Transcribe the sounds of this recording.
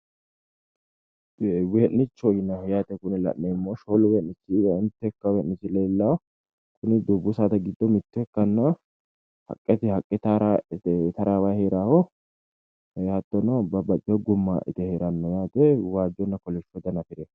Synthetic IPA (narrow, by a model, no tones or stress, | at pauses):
weːʔnɪt͡ʃːɔjɪnɐjaːt̪ɛkʊnɪlɐ̰ʔːɛɪmːoːʃoːlweːʔnɪt͡ʃːɪɐɪnt̪ːɛkːɐwɛːʔnɪt͡ʃːɪleːlːa | kʊnɪd̪ubːʊsaːt̪ɐɡɪd̪ːɔmɪt̪ːɛkːɐnːɐ | hɐ̰kʼːɛt̪ɪhɐkʼːɛt̪aɾat̪ɐɾaːwaheːɾaːhɔ | ɐt̪ːɔnɔbɐbɐt͡ʃʼːɛɔɡʊmːa̰ʔɪ̰t̪ɛheːɾɐnːɔjaːt̪ɛwaːd͡ʒɔnːɐkɔlɛʃɔd̪ɐnɐfɪɾɛ